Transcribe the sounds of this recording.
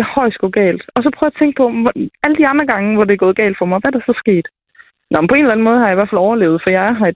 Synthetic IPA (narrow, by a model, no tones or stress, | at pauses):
hɒɪ̰sɡ̥ɔɡ̥ɛ̰ːld̥ɒ̽s̬ɒ̽pʰʁœːʊæt͡sʰeŋ̰ɡ̥̚pʰɒ̽æləd̥iɑ̈nd̥ʁɐɡ̥ɑ̈ŋəʋɒd̥e̝ɡ̥ɔ̽ːð̞̩ˠɡɛ̰ːld̥fɒ̽mɑʋæɾ̥ɑsɒ̽sɡ̥e̝̰ːd̥ | nʔɒmn̩mpʰɒe̝ːnelæn̩mɔːð̞ˠhɑ̈jɑ̈iʋæɐfælɒʊɐle̝ːʊð̞̩ˠfɒjɑ̈ɪɦɑ̈e̥